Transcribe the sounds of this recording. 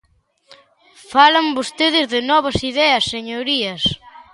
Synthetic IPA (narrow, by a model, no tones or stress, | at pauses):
falɐmbost̪eðɪzðɪnɔβɐsiðɛɐsːeɲoɾiɐs